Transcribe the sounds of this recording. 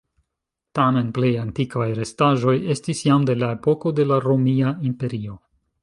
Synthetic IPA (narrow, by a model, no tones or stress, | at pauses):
tame̞nple̞jantikvajɾe̞staʒo̞je̞stisjamde̞lae̞po̞ko̞de̞laɾo̞miaimpe̞ɾio̞